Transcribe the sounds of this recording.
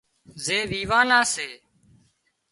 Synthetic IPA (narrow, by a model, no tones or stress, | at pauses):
zeːʋiːʋaːnãːseː